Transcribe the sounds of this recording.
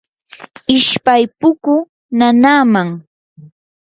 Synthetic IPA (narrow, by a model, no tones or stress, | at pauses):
ɪʃpajpʊkʊ | nanaːmaŋ